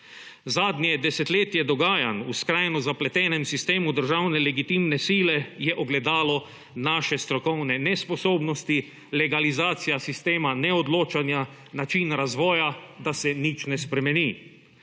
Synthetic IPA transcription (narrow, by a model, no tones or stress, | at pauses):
zaːd̪njɛd̪ɛsɛt̪leːt̪jɛd̪ɔɡaːjanuskɾajnɔzaplɛt̪ɛːnɛmsist̪eːmud̪əɾʒawnɛlɛɡit̪imnɛsiːlɛjɛʔɔɡlɛd̪aːlɔ | naːʃɛst̪ɾɔkɔwnɛnɛspɔsoːbnɔst̪i | lɛɡalizaːt̪sijasist̪eːmanɛɔd̪loːt͡ʃanja | nat͡ʃinɾazʋɔːjad̪asɛnit͡ʃnɛspɾɛmɛniː